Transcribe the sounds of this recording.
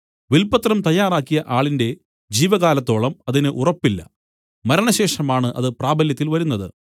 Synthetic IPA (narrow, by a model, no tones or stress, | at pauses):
ʋilpɐt̪rɐmt̪ɐjːaːraːkːijɐʔaːɭinde̞ | d͡ʑiːʋɐɣaːlɐt̪ːo̞ːɭɐmɐðinɨʔurɐpːilːɐ̰ | mɐɾɐɳɐɕe̞ːʂɐmaːɳɨʔɐðɨpraːbʱɐljɐt̪ːilʋɐɾun̪ːɐðɨ̰